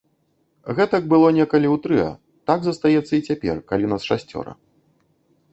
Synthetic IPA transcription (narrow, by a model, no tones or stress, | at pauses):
ɣɛt̪ɐk̚bɨlˠɔnʲɛkɐlʲiwt̪ɾɨɐ̰ | t̪aɡzɐst̪ajɛt̪sːɐit͡sʲapʲɛ̰rkalʲinasʂasʲt͡sʲɔ̰ɾɐ̰